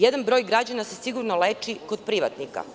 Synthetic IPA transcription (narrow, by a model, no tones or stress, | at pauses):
jed̪anbɾo̞ːjɡɾad͡ʑanase̞siɡuɾnoleːt͡ʃiko̞d̪̚pɾiʋat̪nika̰